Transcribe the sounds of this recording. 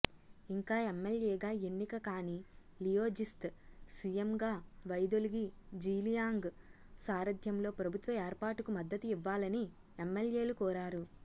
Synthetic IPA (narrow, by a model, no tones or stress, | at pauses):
iŋkaːemːeljeːɡaːe̞nːikɐkaːni | lijoːd͡ʒist̪sijemɡaːʋɐjd̪oliɡid͡ʒiːlijaːŋɡ | saːɾɐd̪ʱjɐmlo̞ːpɾɐbʱut̪ʋɐeːɾpaːʈukumɐd̪ːɐt̪uiʋːaːlɐni | emːelje̞ːlukɔːɾaːɾu